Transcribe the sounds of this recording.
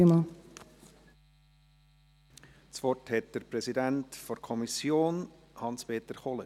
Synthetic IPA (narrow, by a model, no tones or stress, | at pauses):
mɑ | t͡sʋɔrthɛt̚d̪̥əɾpɾɛsidæntfɔɾkʰɔmisjoːn | hɑnspʰeːt̪əɾχɔlə